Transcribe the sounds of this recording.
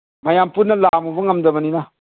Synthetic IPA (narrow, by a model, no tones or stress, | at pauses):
majampunalamuvuŋamdamanina